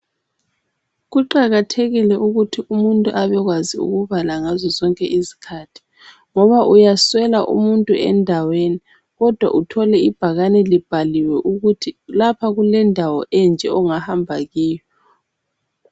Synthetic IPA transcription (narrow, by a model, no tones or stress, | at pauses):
ɣuǃaɣatʰeɣilɛʔuɣutʰiumuntʼuʔaβɛɣwaziṵɣuβalaŋazɔzɔŋkʼɛʔizi̥kʰaːtʰi̥ | ŋɔβaʔujaswɛlaʔṵmuntʼuɛ̰ndʱaweni | ɣɔd̥ʱwa̰ʔutʰɔlɛib̥ʱaɣanɛlib̥ʱaliwɛʔuɣutʰilapʰaɣulɛndʱawɔʔɛnd͡ʒʱɛɔŋahambʱaɣiːjɔ